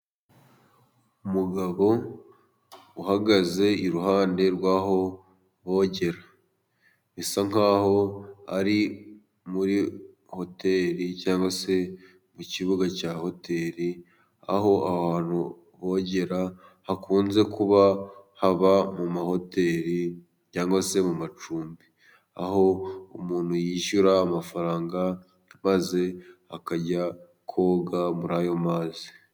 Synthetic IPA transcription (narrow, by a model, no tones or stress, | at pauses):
umuɡaβo̞ | uhaɡaze̞iɾuɦaːnde̞ɾwaːɦo̞ | βo̞ːɟe̞ɾa | βisaŋ̥aːho̞a̰ɾi | muɾi | ho̞te̞ːɾicaːŋɡwase̞ | muciβuɡacaho̞te̞ːɾi | a̰ho̞aβaːn̥hu | βo̞ːɟe̞ɾa | hakʰuːnze̞kuβahaβamumaho̞te̞ːɾi | caːŋɡwase̞mumat͡ʃuːmbi | a̰ho̞umuːnhujiːʃuɾaːmafaɾaːŋɡa | maze̞akaɟa | kʰo̞ːɡamuɾaːjo̞maːzi̥